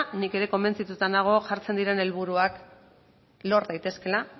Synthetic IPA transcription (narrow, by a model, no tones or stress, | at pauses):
nike̞ɾe̞ko̞mbe̞nt͡sit̪ut̪anaɣ̞o̞ʝaɾt͡se̞nd̪iɾe̞ne̞lβuɾuak | lo̞ɾðajt̪e̞ske̞la